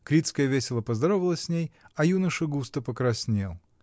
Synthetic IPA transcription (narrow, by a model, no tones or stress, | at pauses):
kɾʲit̪skəjəvʲesʲɪlˠəpəzd̪ɐɾovəlˠəsʲsʲnʲejɐjunəʂɨɡust̪əpəkɾɐsʲnʲe̞̰lˠ